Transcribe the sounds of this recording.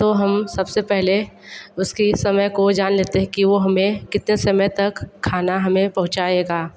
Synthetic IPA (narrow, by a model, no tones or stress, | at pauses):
t̪oɦɐmsɐbsepɛɦle | ʊskisɐməjkod͡ʒaːnleːt̪eɦɛ̃kiʋoɦɐmẽkɪt̪nesɐməjt̪ɐkʰːaːnaɦɐmẽpɐɦʊ̃t͡ʃaːeːɡaː